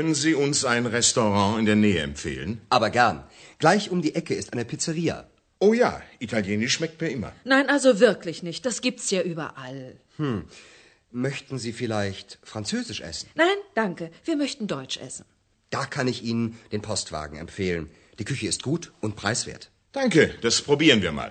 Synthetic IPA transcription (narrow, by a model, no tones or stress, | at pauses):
kʰœnənziːʊnsaɪnʁɛstoʁɑ̃ːɪndeːɐnɛːəɛ̰mfḛːlənʔaːbɐɡɛɐnɡ̥laɪçʔʊmdiːʔɛkəɪstʔaɪnəpʰɪt͡səʁiːɐ̰ | ʔoːja̰ːʔitʰaljeːnɪʃʃmɛk̚tmiːɐɪmɐ̰naɪnʔalzovɪɐklɪçnɪçt̚d̥asɡ̥iːp̚tsjaːʔyːbɐʔal | h̩ | mœçtn̩ziːfɪlaɪçtfʁ̥ant͡søːzɪʃʔɛ̰sn̩naɪnd̥aŋkəv̥iːɐmœçtn̩dɔʏt͡ʃʔɛ̰sn̩ | d̥aːkʰanɪçʔiːnənd̥eːnpʰɔstv̥a̰ːɡŋ̩ɛ̰mfeːlən | d̥iːkʰʏçəɪst̚ɡ̥uːtʔʊnt̚pʁ̥aɪsv̥ḛːɐt | d̥aŋkəd̥aspʁ̥obiːʁənviːɐma̰ːl